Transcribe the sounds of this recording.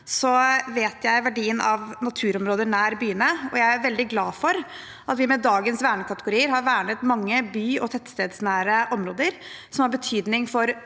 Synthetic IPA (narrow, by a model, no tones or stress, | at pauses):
sɔʋeːt̪jæɪʋæɖiːənʔɑʋnɑt̪ʰʉːɾɔmɾoːd̪ənæːɾbyːənəɔjæɪæɾʋɛld̪ɪɡlɑːfɔɾ | ɑt̪ʋɪmɛd̪ɑːɡənsʋæːɳəkʰɑt̪əɡʊɾiːəɾɦɑɾʋæːɳət̪mɑŋːəbyːɔt̪ʰɛt̪st̪eːd̪snæːɾəʔɔmɾoːd̪əɾ | sɔmhɑɾbət̪ʰyːd̪nɪŋfɔɾ